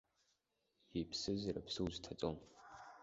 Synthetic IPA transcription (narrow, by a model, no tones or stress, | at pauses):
ipʰsɨzɨrɐpsɨwztʰat͡sʼom